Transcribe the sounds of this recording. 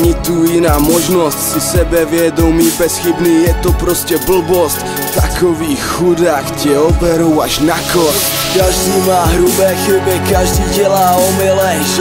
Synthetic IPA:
ɲit̪uːinaːmɔʒnɔscsisɛbɛʋɪɛd̪ɔmiːbɛsxibniːjɛt̪ɔpɾɔscɛbl̩bɔsc | t̪akɔʋiːxxud̪aːxcɛɔbɛɾɔwaʒnakɔ | kaʒd̪uːmaːɦɾubɛːxibɛkaʒd̪iːɟɛlaːɔmɛlɛ

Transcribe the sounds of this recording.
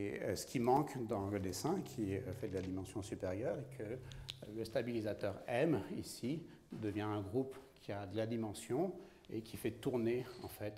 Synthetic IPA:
ḛsə̥kʲimɑ̃kd̪ɑ̃ləd̪esɛ̃kʲʰifɛd̪əlad̪imɑ̃sjɔ̃sypeʁjœʁekʰələst̪abilizat̪œʁɛmisi | d̪əvjɛ̃ɛ̃ɡʁupkʲʰiad̪əlad̪imɑ̃sjɔ̃ | ekʲʰifɛt̪uʁneɑ̰̃fɛt̪

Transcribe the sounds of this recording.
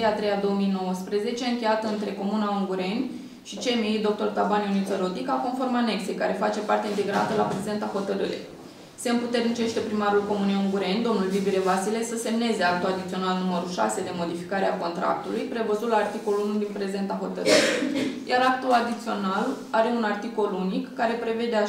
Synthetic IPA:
eat̪ɾejad̪o̞omijno̞wəspɾəze̞t͡ʃeɨŋkʲe̞jat̪əɨnt̪ɾe̞ko̞munauŋɡuɾe̞nʲ | ʃit͡ʃe̞mijd̪o̞k̚t̪o̞rt̪abanjunit̪əɾo̞t̪ikako̞nfo̞rmane̞kse̞jkaɾe̞fat͡ʃe̞part̪eint̪e̞ɡɾa̰t̪əlapɾe̞ze̞nt̪aho̞t̪əɾɨ̰ɾḛj | se̞ɨmput̪e̞rnit͡ʃe̞ʃt̪e̞pɾimaɾulko̞munejuŋɡuɾe̞nʲd̪o̞mnulvibiɾe̞vasile̞səse̞mne̞ze̞ak̚t̪uad̪it̪sio̞nalnuməɾuʃa̰se̞d̪e̞mo̞d̪ifi̥kaɾe̞ako̞nt̪ɾa̰k̚t̪ulujpɾe̞vəzut̪laːrt̪iko̞luunud̪inpɾe̞ze̞nt̪aɦo̞t̪əɾɨɾejaɾak̚t̪ulad̪it̪sio̞nalaɾe̞unart̪iko̞lunikːaɾe̞pɾe̞ve̞d̪ea

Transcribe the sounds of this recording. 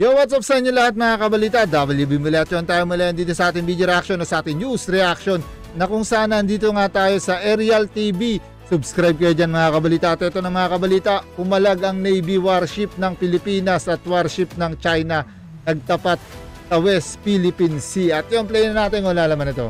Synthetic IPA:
joŋwat̪sap̚sɐʔɪnolɐhat̪̚mɐŋakɐbɐliːt̪ɐd̪abɐljubimʊlɐɐt̪̚jont̪aːjomʊlajɐnd̪iːt̪o̞sɐʔaːt̪ɪŋbiːdjoɾɛʔakʃo̞nɐsɐʔaːt̪ɪŋjusɾɛʔakʃo̞nː | ɐkʊŋsɐʔaːnɐʔɐnd̪iːt̪oŋat̪aːjo̞sɐʔɛɾiɐlt̪ibi | sʊbskɾajb̚kɐjod͡ʒanmɐŋakɐbɐliːt̪ɐʔɪt̪oʔɪt̪o̞nɐŋmɐŋakɐbɐliːt̪ɐpʊmɐlaɡɐŋnɛjbiwaɾʃɪp̚nɐŋpɪlɪpiːnɐsɐt̪̚waɾʃɪp̚nɐŋt͡ʃajnɐ | nɐɡ̚t̪ɐpat̪̚sɐwɛst̪filɪpinsiʔɐt̪̚joŋplɛjɛnaːt̪ɪnʊlalɐmanɪt̪o̞̰

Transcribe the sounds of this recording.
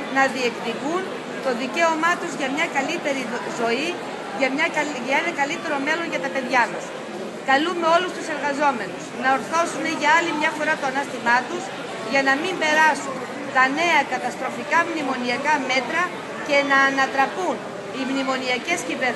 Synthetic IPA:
nɐðie̞kðivun | t̪o̞ðice̞o̞mɐt̪uzʝɐmɲɐkɐlit̪e̞ɾizo̞i | ʝɐmɲɐʝɐenɐkɐlit̪e̞ɾo̞me̞lo̞ɲʝɐt̪ɐpe̞ðʝɐmɐs | kɐlume̞o̞lust̪use̞ɾɣɐzo̞me̞nusnɐo̞ɾθo̞sune̞ʝɐɐlimɲɐfo̞ɾɐt̪o̞ɐnɐst̪imɐt̪uz | ʝɐnɐmimbe̞ɾɐsun | t̪ɐne̞ɐkɐt̪ɐst̪ɾo̞fikɐmnimo̞niɐkɐme̞t̪ɾɐ | ce̞nɐːnɐt̪ɾɐpun | imnimo̞niɐce̞sciveɾ

